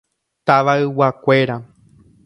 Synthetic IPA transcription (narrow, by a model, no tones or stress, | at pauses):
t̪aʋaɨwakʷe̞ɾa